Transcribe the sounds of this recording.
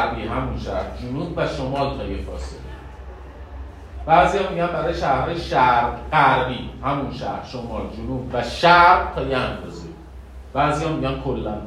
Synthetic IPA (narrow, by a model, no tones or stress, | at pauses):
ɾbiːɦæmunʃæ̰ɾd͡ʒunuːbvæʃomɒːlt̪ʰɒːjefɒ̰ːsele | b̥æːziːhɒːmiːɟænbæɾɒːjeʃæhɒːjeʃæɾɢæɾbiːhæmunʃæ̰ɾʃomɒːld͡ʒunuːbvæʃæɾt̪ʰɒːjeænfɒzi | b̥æːziːjɒːmiːɟænkʰolːæn